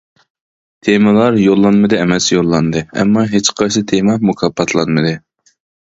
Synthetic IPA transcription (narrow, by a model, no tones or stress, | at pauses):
t̪ʰemɨlˠɑɾjolˠːɑnmɨd̪ɨɛmɛsjolˠːɑnd̪ɨɛ̰mːɑɦet͡ʃqʰɑjsɨt̪ʰemɑmukʰɑpʰːɑt̪ʰlˠɑnmɨd̪ɨ